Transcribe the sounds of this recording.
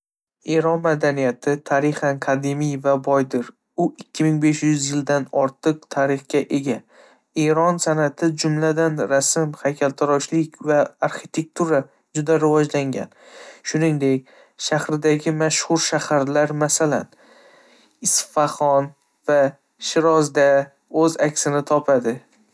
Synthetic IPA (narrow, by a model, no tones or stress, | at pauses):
e̞ɾɒnmad̪anijat̪ʰɪt̪ʰaɾɪχanqʰad̪emijvabɒjd̪ɪɾ | ʊɪkʲʰːɪmɪŋbe̞ʃjʊzjɪld̪anɒɾt̪ʰɨqt̪ʰaɾɪχkʲaʔe̞ɡʲa | e̞ɾɒnsanat̪ʰɪd͡ʒʊmlad̪anɾasɪmhajkʲʰalt̪ʰɪɾɒʃlɪkʲvaaɾχit̪ʰe̞k̚t̪ʰuɾa | d͡ʒʊd̪aɾɪvɒd͡ʒlaŋɡʲa̰n | ʃʊnɪŋd̪e̞k̚ʲ | ʃahɾɪd̪aɡʲɪmaʃhʊɾʃahaɾlaɾmasala̰n | ɪsfaχɒn | va | ʃɪɾɒzd̪a | ɵzakʲsɪnɪt̪ʰɒpʰad̪ɪ